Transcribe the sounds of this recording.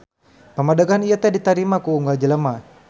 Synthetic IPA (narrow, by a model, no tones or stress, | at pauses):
pəmadaɡanijat̪ɛdit̪aɾimakuːŋɡad͡ʒələma